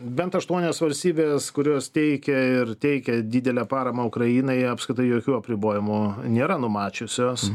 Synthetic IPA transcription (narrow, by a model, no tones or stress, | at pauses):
bʲɛnt̪ɐʃt̪uɔnʲoːsʋɐlʲsʲt̪ʲiːbʲeːskʊɾʲoːst̪ʲɛɪkʲɛɪɾt̪ʲɛɪkʲɛd̪ʲid̪ʲɛlʲæːpɑːɾɐmɐʊkɾɐjiːnɐɪɐpskɾʲɪt̪ɐɪjoːkʲuːɐpʲɾʲɪboːjʲɪmʊnʲeːɾɐnʊmɑːt͡ʃʲʊsʲoːs